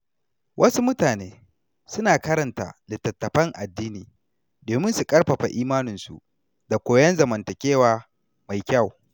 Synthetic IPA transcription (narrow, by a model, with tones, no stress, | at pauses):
wʔɐ˦su˦mʊ˦taː˨neː˦ | sʊ˦naː˨kɐ˦ɾɐ˨nta̰˨lɪ˨tːɐ˨tːɐ˨ɸɐ˦ŋʔa˨dːiː˦niː˨ | doː˨mɪ˦nsu˨kʼɐ˦rɸɐ˨ɸa̰˨ʔiː˦maː˦nɪ˨nsṵ˨ | da˨kʷoː˨jɐ˦nzɐ˨mɐ˨ntɐ˨kʲeː˦waː˨ | ma˨jkʲa˦˨w